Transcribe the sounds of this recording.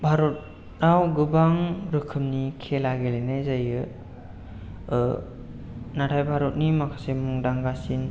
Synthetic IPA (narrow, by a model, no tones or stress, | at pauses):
bʱaɾɔt̚ | nawɡɯbaŋɾɯkʰɯmnikʰelaɡelenajzajɯ | natʰajbʱaɾɔt̚nimakʰḁsemuŋdaŋɡasin